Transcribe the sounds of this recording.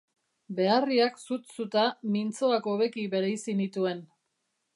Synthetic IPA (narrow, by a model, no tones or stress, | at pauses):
be̞ariaksut̪sut̪amint͡so̞ako̞βe̞kiβe̞ɾejsinit̪ue̞n